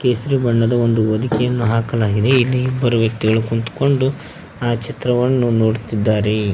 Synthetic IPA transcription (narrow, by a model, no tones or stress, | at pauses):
keːsɐɾibɐɳːɐd̪ɐo̞nd̪uʋɐd̪ikɛjɐnːuɦaːkɐlaːɡid̪e̞ilːibɐɾuʋjɐkt̪iɡɐɭukuɳt̪u̥ko̞ɳɖu | aːt͡ʃit̪ɾɐʋɐnːuno̞ːɽt̪id̪ːaːɾe